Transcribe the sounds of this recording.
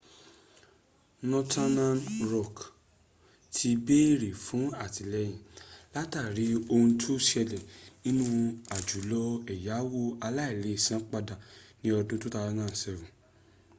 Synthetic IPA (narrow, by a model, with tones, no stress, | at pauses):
nɔ̃˧tʰa˦nã˦nɾɔ˦˨k | tʰi˧be˦ɾi˨fũ˨˦a˦˨ti˨lɛ˧˦j̃ĩ˨la˦ta˦˨ɾi˨˦o˧ũ˧tʰu˦ʃɛ˧lɛ˨nĩ˦nũ˦a˨d͡ʒu˨˦lɔ˦ɛ˨ja˨˦wo˦a˧la˦i˦˨le˨˦i˦˨sã˦k͡pa˧da˨nĩ˦ɔ˧dũ˦tũ˦ta˧nãː˦˨sɛ˧˨vũ˨